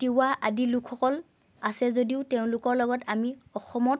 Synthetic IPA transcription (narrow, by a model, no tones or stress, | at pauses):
tiaʔadilukʰːɔkɔl | asɛzodiʊtɛʊ̃lʊkɔɹlɔɡɔtamiɔxɔmɔt̚